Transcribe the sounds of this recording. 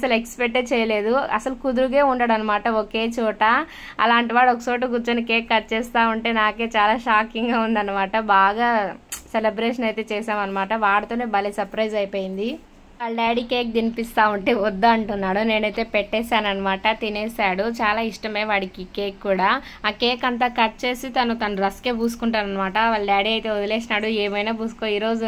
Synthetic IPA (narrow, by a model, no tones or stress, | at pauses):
ɐsɐlekspekʈːeːt͡ʃɛːjɐle̞ːd̪uɐ̰sɐlukud̪uɾuɡeːuɳɖɐɽɐnːɐmaːʈɐoke̞ːt͡ʃuːʈɐ | ɐ̰laːɳʈiʋaːɽɔkɐso̞ːʈ̬iɡut͡ʃɐnikeːkːɐt͡ʃɛːst̪aːuɳʈe̞ːnaːke̞ːt͡ʃaːlaːʃaːkiŋɡaːund̪ɐnːɐmaːʈɐbaːɡaːselɐbɾeːʂɐnɐjt̪e̞ːt͡ʃɛːsaːmɐnːɐmaːʈɐʋaːɽɐt̪o̞ːne̞ːbɐlisɐɾpɾɐjd͡ʒɐjpoːjind̪i | ʋaːɭɐɖaːɽiːkeːk̚d̪inipist̪aːuɳʈe̞ːɔd̪ːaɐɳʈunːaːɽuneːnɐjt̪e̞ːpɛʈːɛːsaːnɐnːɐmaːʈɐt̪ineːsaːɽut͡ʃaːlaːiʂʈɐme̞ːʋaːɽikikeːkːuːɽaː | aːkeːkɐnt̪aːkɐɾt͡ʃe̞ːsit̪ɐnut̪ɐnuɾɐske̞ːpuːsu̥kuɳʈaːnɐnːɐmaːʈɐʋaːɭɐɖaːɽiːɐjt̪e̞ːud̪ɐleːsinaːɽueːmɐjnaːbuːsu̥koiːɾo̞ːd͡ʒu